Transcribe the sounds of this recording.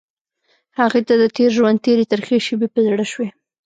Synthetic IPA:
haɣet̪ad̪ət̪eɾʒwand̪̚t̪eɾet̪əɾxeʃebepəzaɽaʃwe

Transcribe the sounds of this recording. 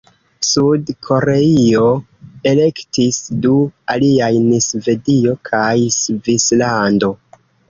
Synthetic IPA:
sudkʰo̞ɾe̞io̞ | e̞le̞ktisdualiajnisve̞dio̞kʰajsvislando̞

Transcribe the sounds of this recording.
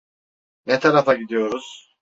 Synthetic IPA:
nɛt̪ʰaɾafaɟid̪ijo̞ɾuz̥

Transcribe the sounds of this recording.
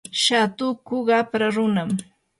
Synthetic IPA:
ʃat̪ʊkʊɢɑpɾaɾʊnam

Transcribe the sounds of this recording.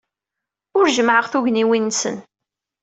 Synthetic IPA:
ʊɾʒəmʕəʁθʊʝniwinsə̰n

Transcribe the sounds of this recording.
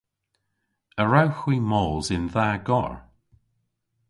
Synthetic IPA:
əɹawxwiːmɔːzɪnðaːɡɔ̰ɹ

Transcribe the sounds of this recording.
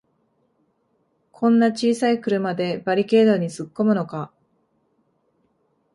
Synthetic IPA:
kʰõ̞nːat͡ɕiːsaikɯ̟ɾɯ̟mad̪e̞baɾʲike̞ːd̪oɲ̟isɨkːo̞mɯ̟no̞ka

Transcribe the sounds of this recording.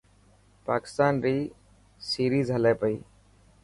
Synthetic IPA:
paːkɪ̥st̪aːnɾiː | siːɾiːzəlɛːpəḭː

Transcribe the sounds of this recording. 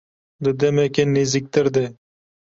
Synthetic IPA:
d̪əd̪emekenːizik̚t̪əɾd̪eː

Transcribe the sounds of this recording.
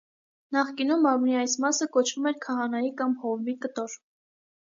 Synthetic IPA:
nɑχkinumɑmniɑjsmɑsəkɔt͡ʃʰvumɛɾkʰɑɦɑnɑjikɑmhɔvbikət̪ɔɾ

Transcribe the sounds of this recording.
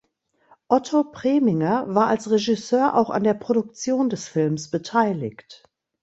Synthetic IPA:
ʔɔtʰopʁ̥eːmɪŋɐvaːɐʔalsʁeʒɪsøːɐʔa̰ʊxa̰ndeːɐpʁ̥odʊk̚t͡sjoːndɛsfɪlmsb̥ətʰaɪlɪ̰çt

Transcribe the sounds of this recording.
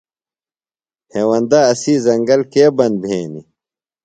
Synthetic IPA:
heːwɐnd̪aɐsiːzɐŋɡɐlkeːbɐnbʱeːni

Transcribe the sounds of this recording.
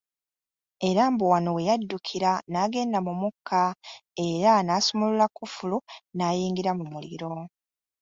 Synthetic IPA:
e̞ɾaːmbuwanowe̞jadːukʰiɾanaːɡe̞ːndamumukʰːae̞ɾanaːsomolulakufulunaːjiːŋɡiɾamumulḭɾo̞

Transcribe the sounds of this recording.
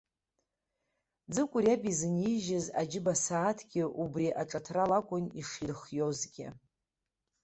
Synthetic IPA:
d͡zɨkʷʼʊrjabizɨniʒɪzad͡ʒɪbasaːtʰɡʲɪʔubriʔaʈ͡ʂʼatʰralakʷʼʊniʂirχjozɡʲɪ̰

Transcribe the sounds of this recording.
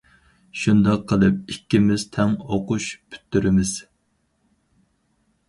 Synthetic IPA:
ʃund̪ɑqʰːəlˠɨp̚ikʲːimɪzt̪ʰɛŋoqʊʃpʰy̥t̪ːyɾɪmɪz̥

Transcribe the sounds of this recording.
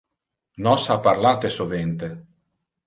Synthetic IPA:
nɔsapːarlaːt̪esovɛnt̪e

